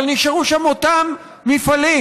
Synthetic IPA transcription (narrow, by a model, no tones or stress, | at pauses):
lniʃaʁuʃamot̪amː | ifali